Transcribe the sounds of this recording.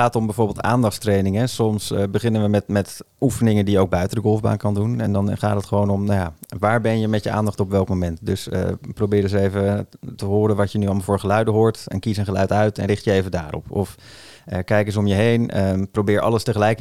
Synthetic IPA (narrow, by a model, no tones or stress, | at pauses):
aːtɔmbɛjvʊːɹbɪlˠta̰ːndɑχtstrejnɪŋəsɔmsbəχɪnənʋəmɛtmɛt | ufənɪŋəndijəowɡ̚bœɥtədəɡɔlˠvba̰ːnkɑndunɛ̰ndɑnχaːtətχəʋownɔmnjaːʋaːɹbɛnjəmɛtjəa̰ːndɑχtɔpʋɛlˠkmomɛntdɵsə̰prowbɪːɾəzəejvətəɦʊːɾənʋɑtjənyɑlˠmɑlˠvoːɹχəlœɥdəɦʊːɹtɛ̰nkisənχəlœɥtœɥtɛ̰nrɪχtjəejvəndaːɾɔ̰pɔf | əkɛjkəzəɔmjəɦejnəprowbɪːɹʔɑ̰ləstəχəlɛjk